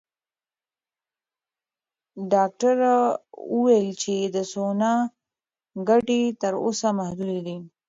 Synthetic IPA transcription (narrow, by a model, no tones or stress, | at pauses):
ɖɑk̚ʈaɾauwejlt͡ʃed̪əsona | ɡaʈet̪əɾo̰samahd̪ud̪id̪i